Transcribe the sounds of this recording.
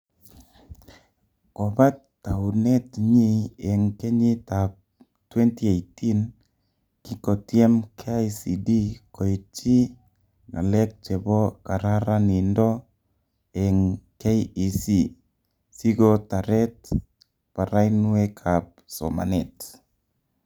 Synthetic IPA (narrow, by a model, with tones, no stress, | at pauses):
ko˨ba˦tː | a˨u˨nɛ˦tɲi˦ɛ˨ŋke˦ɲɪ˦tap̚ | twɛ˦nti˦e˨jtʰi˦n | ki˦ko˨tjɛ˦mkʰeisi˨di˦ko˨i˨t͡ʃi˦ | na̰˨lɛ˦k̚t͡ʃɛ˨bɔ˦ka˨ɾa˦ɾa˦ni˨ndɔ | ɛ˨ŋke˦ji˨si˦ | si˦ɡota˨ɾɛ˦t | pa˨ɾa˦inwɛkʰap̚so̰ma̰˨nɛ˨t